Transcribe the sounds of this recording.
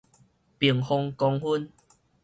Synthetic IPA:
pi˨˩əŋhɔ˧ŋkɔ˧ŋhu˦n

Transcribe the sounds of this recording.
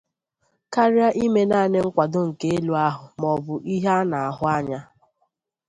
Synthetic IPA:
ka˦ɾja˦ʔi˦me˦na˦˨ne˦ŋ̩˦kʷa˨dʊ˦ŋ̩˨ke˦e˦lu˨˦a˦ɦʊ˨mɔ˨bʊ˨ʔi˦ɦa˦na˨a˨ɦʊ˦a˦ɲa˦

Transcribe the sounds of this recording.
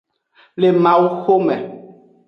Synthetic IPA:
le˨mã˨wu˦xo˦mɛ˨

